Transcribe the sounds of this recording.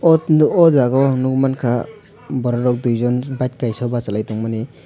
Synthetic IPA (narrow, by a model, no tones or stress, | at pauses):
ɔnuɔzaɡɔnuɡmankʰa | bɔɾɔɾɔk̚dujzɔnbajt̚kajsɔbasalajtɔŋmani